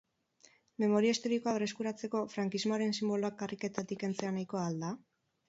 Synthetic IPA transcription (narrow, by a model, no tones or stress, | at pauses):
me̞mo̞ɾiaist̪o̞ɾiko̞aβreskuɾat͡se̞ko̞fɾaŋkizmoaɾe̞nsimbo̞loakːarike̞t̪at̪ike̞nt͡se̞anajko̞ald̪a